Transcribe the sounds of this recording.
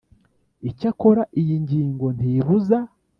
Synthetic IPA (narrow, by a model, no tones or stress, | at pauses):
icako̞ɾaʔijiɲɟiːŋɡo̞n̥iβuza